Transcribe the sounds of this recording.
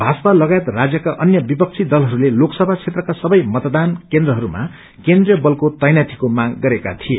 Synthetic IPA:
bʱasʌpalʌɡajet̪rad͡zjʌkaʔʌnjʌbipʌk̚t͡sʰid̪ʌlɦʌɾuleloksʌbʱat͡sʰet̪rʌkasʌbʌjmʌt̪d̪ankend̪rʌɦʌɾuma̰ | kend̪rijʌbʌlkot̪ʌjnat̪ʰi̥komaɡːʌɾeka̰t̪ʰie

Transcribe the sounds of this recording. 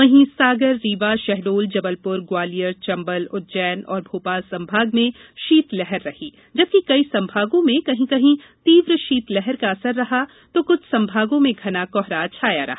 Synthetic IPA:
ʋɐɦĩsaːɡəɾːiːʋaʃɛɦɖoːld͡ʒɐbəlpʊɾɡwaːlijəɾt͡ʃɐ̃mbəlʊt̪̚d͡ʒɛːnɔ̰ːɾbʱoːpaːlsɐ̃mbʱaːɡmẽʃiːt̪lɛɦɛɾːɐhiː | d͡ʒɐb̚kikɐisɐ̃mbʱaːɡõmẽkɐɦĩkɐɦĩ | t̪iːʋɾʃiːt̪lɛɦɛɾkaɐsəɾːɐɦa | t̪okʊt͡ʃʰsɐ̃mbʱaːɡõmẽɡʱɐnakɔɦɾat͡ʃʰaːja̰ɾɐ̰ɦa

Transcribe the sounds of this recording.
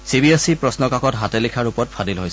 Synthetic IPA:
sibiesipɹɔsnɔkakɔtɦatelikʰaɹupɔtpʰadilɦojs

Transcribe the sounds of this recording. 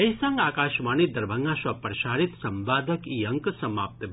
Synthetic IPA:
ɐjsãŋɡaːkaːʃmaːnid̪ɐɾbʱə̃ŋɡaːʃʋɐpɾɐʃaːɾit̪sɐmʋaːd̪ʱəkiɐŋksɐmaːp̚t̪əb

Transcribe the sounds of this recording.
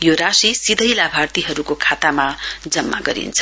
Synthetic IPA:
joɾasisid̪ʱʌjlabʱart̪iɦʌɾukokʰat̪amad͡zʌmːa̰ɡʌɾḭnt͡sʰʌ̥

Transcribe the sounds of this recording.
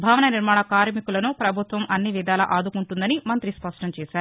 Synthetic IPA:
bʱaːʋɐnɐniɾmaːɳɐkaːɾmikulɐnupɾɐbʱut̪ʋɐmʔɐnːiʋid̪aːlɐ̰ʔaːd̪ukuɳʈund̪ɐnimɐnt̪ɾispɐʂʈɐmt͡ʃɛːsaːɾuu

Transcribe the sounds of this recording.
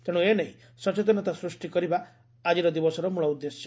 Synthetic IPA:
t̪eɽ̃ueneĩ | sɔt͡ʃet̪̬ɔnɔt̪asɾusʈikɔɾiba | ad͡ʒiɾɔd̪ibɔsɔɾɔmuɭɔud̪ːesjɔ

